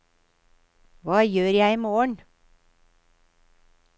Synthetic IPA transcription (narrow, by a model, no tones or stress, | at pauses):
ʋɑːjøːɾjæɪiːmoːəɳ